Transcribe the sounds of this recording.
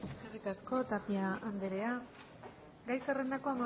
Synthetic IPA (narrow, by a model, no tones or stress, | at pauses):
e̞skerikasko̞t̪apiaand̪eɾe̞a | ɡajserend̪ako̞ama